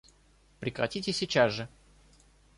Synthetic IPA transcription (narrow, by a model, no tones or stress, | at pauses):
pɾʲɪkɾɐ̰tʲitʲɪsʲɪt͡ɕasʐɨ